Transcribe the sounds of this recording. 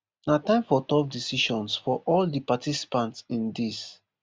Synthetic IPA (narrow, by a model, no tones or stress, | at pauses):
natãɪ̃mfɔtɔp̚disiʃɔ̃nsfɔʔɔldipatisi̥pãntsĩndis